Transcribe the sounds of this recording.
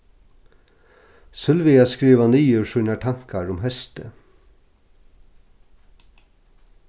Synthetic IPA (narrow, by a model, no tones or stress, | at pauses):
sʉlʋiːɑskɾiːʋɑniːʉːʃʉnɑʈʰɑŋkʰɑɹʊmhœst̪ə